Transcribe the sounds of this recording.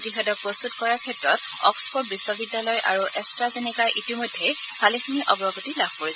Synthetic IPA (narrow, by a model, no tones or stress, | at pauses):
otixɛdɔt̚pɹɔst̪utkɔɹaɹkʰɛtɹɔt | ɔ̰kspʰɔɹt̚bisːɔbidːjalɔjʔa̰ɹuʔɛstɹazenikaɹʔitimɔjdʱːej | bʱalexiniʔɔbɹɔɡutilab̥ʱkoɹisɛ